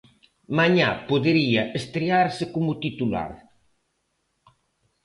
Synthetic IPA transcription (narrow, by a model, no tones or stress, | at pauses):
maɲapoðeɾiɐest̪ɾiaɾsɪkomʊt̪it̪ula̰ɾ